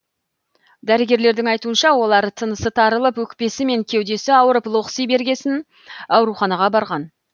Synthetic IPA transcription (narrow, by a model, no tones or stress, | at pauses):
d̪æɾɪɡʲe̞ɾle̞ɾd̪ɪŋɑjt̪uənʃɑwo̞lˠɑɾt̪ʰənəsət̪ʰɑɾəlˠəpwɵkpe̞sɪme̞ŋkʲʰe̞wd̪e̞sɪɑwəɾəplˠo̞qsijbe̞ɾɡʲe̞sɪn | ɑwɾuχɑnɑʁɑbɑɾʁɑn